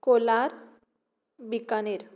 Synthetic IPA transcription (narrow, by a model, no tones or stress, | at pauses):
kolaɾ | bikaneɾ